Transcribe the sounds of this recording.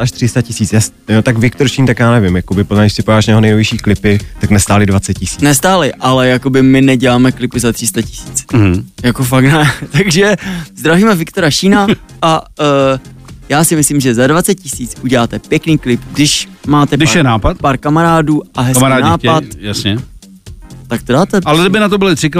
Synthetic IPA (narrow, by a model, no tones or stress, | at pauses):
aʃt̪r̥ɪst̪acɪsiːt͡sjas | jot̪akvɪkt̪oɾʃiːnt̪akjaːnɛvɪmjakobɪpoaɡɪʃsɪpojaːʃnɛɦonɛjovɪʃiːklɪpɪt̪aknɛst̪aːlɪdvatt͡sɛt̪̚cɪsiːnɛst̪aːlɪʔalɛjako̞bɪmɪnɛɟɛlaːmɛklɪpɪzat̪r̥ɪst̪acɪ̥si̥ːt͡sjakofaknɛt̪aɡʒɛzd̪ɾaviːmɛvɪkt̪oɾaʃiːna | ʔa | jaːsɪmɪslimʒɛzadvat͡sɛt̪̚cɪsiːt͡suɟɛlaːt̪ɛpjɛkniːklɪpɡdɪʃmaːt̪ɛdɪʃɛnaːpat̪paɾkamaɾaːduːʔaɦɛsaɾaːnaːpat̪jasɲɛ | t̪ak̚t̪odaːt̪ɛalɛdɪbɪnat̪obɪlɪt̪r̥ɪk